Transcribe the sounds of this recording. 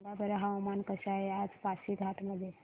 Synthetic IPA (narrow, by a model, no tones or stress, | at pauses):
labeɾeɦawmankəɕaɦead͡zpasiɡʱaʈ̪məd̪ʱːje